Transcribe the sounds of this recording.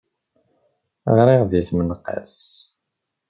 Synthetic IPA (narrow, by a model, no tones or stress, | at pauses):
ə̰ʁɾˤɪʁðiθmənqə̰s